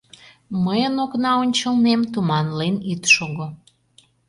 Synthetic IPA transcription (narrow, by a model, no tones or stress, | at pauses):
məjənoknɑonʲt͡ɕəlnemt̪umɑnlenit̪ʃoɣo